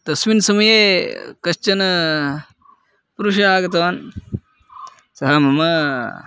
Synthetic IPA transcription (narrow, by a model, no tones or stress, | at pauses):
t̪ɐsʋinsɐmɐjeːkɐt͡ʃɐnɐ | puɾuʃaːɡɐt̪ɐn | sɐɦɐmɐmɐ